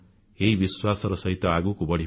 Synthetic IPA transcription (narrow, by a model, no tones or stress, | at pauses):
eibiswasʌɾʌsʌɦit̪ːʌaɡukobʌɽi